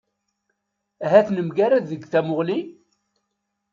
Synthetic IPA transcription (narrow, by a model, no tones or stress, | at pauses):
æɦæθnəmɡaɾæðəɡθæmʊʁli